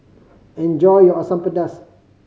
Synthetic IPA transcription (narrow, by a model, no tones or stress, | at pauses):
ɛ̃nd͡ʒɔjjɔasãmpədəs